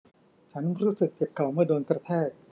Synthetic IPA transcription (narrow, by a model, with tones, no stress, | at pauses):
t͡ɕʰa˦˥nɾuː˦˥sɯ˨˩k̚t͡ɕe˨˩p̚kʰa˨˩wmɯ˥˩ɐdoː˧nkɾa˧t̪ʰeː˥˩t̪̚